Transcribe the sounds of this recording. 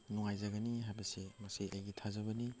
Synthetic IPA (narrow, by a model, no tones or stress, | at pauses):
nuŋajzaɡaniɦajbɐsemaseʔajɡitʰazaβɐni